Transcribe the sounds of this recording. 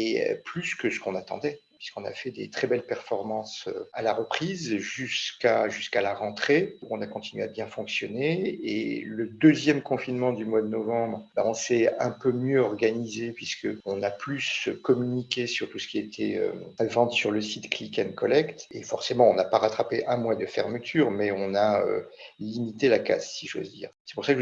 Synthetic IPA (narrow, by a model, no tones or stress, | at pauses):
ḛplyskəsə̥kɔ̃nat̪ɑ̰̃d̪ɛpɥiskɔ̃na̰fɛd̪et̪χɛbɛlpɛʁfɔʁmɑ̃sø̰alaʁəpχizʒyskaʒyskalaʁɑ̃t̪χeuɔ̃nakɔ̃t̪inɥeabjɛ̃fɔ̃ksjɔneḛləd̪øzjɛmkɔ̃finmɑ̃d̪ymwad̪ənɔvɑ̃bʁbaɔ̃sɛɛ̃pømjøɔʁɡanizepɥiskəɔ̃naplyskɔmynikʲesyʁt̪usə̥kʲiaet̪ʰɛø̰vɑ̃t̪syʁləsit̪klikʲɛnkɔlɛkt̪efɔʁsemɑ̃ɔ̃napaʁat̪χapeʔɛ̃mwad̪əfɛʁmət̪ʰyːʁmɛɔ̃naø̰limit̪elaka̰ssiʒo̰zd̪ḭːʁsɛ̥puʁsakʒ